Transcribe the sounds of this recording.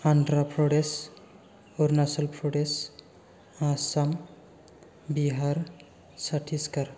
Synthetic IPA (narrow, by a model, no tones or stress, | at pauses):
anɖɾapʰɾoɖes | oɾnasəlpʰɾoɖes | asam | biɦaɾ | saʈʰiskaɾ